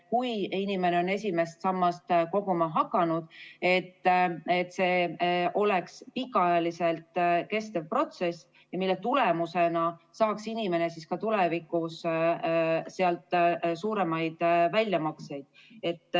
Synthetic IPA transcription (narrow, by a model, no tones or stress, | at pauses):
kujinime̞neo̞ne̞sʲime̞st̪sɑmːɑst̪ko̞ɡ̥umɑɦɑkːˑɑnud̪̥e̞t̪ːet̪ːse̞ːʔo̞le̞kspikːˑɑɑjɑlise̞lt̪ke̞st̪evpro̞t̪se̞s | jɑmilːe̞t̪ule̞muse̞nɑsɑːksinime̞ne̞siskɑt̪ulevikˑus | seɑlt̪suːɾe̞mɑjd̪̥vælʲjɑmɑkse̞jd̪̥̚e̞t̪ː